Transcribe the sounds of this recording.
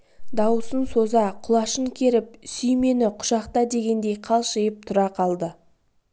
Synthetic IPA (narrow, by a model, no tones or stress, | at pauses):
d̪ɑwəsənso̞zɑqʰʊlˠɑʃəŋkʲʰe̞ɾɪp̚sʏjme̞nɪqʰʊ̥ʃɑqt̪ɑd̪e̞ɡʲe̞nd̪e̞jqʰɑlˠʃɪjɪp̚t̪ʰʊɾɑqʰɑlˠd̪ə